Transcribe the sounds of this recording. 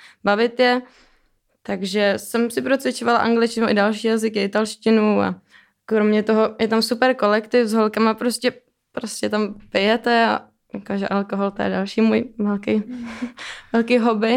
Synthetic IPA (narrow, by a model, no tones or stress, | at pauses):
bavɪt̪jɛ | t̪aɡʒɛsɛmsɪpɾot͡svɪt͡ʃovala̰ʔa̰ŋɡlɪt͡ʃcɪnuʔɪdalʃiːjazɪkɪɪt̪alʃcɪnua̰ | kɾomɲɛt̪o̞ɦo̞jɛt̪amsupɛɾko̞lɛkt̪ɪfzɦolkamapɾoscɛ | pɾoscɛt̪ampɪjɛt̪ɛa̰ | jakoʒɛʔalkoɦolt̪ajɛ̰dalʃiːmujvɛlkɛj | vɛlkiːɦobɪ